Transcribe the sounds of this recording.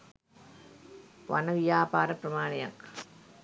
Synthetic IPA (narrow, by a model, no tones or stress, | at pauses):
ʋɐ̰nɐʋjaːpaːɾɐpɾɐmaːnɪjɐ̰ŋ